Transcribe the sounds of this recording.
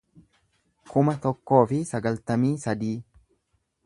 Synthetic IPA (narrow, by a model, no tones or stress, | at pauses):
kʊmɐt̪ɔkːo̞ːfɪsɐɡɐlt̪ɐmiːsɐd̪iː